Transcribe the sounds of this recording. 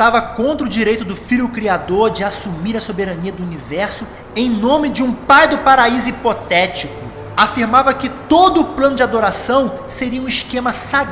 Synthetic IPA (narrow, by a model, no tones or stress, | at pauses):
t̪avɐkõnt̪ɾɐʊd͡ʒiɾejt̪ʊd̪ʊfiʎjʊkɾiad̪oɾd͡ʒɪasumiɾɐsobeɾɐniɐd̪ʊunivɛɾsʊ | ẽj̃nõmɪd͡ʒɪũpajd̪ʊpaɾaizʊipot̪ɛt͡ʃikʊ | afiɾmavɐkɪt̪od̪ʊːplɐ̃nʊd͡ʒɪad̪oɾasɐ̃w̃seɾiɐũiʃkẽmɐsa